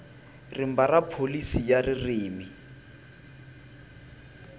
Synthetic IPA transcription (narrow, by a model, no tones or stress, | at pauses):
rɪm̩barapʰolisijarɪriːmi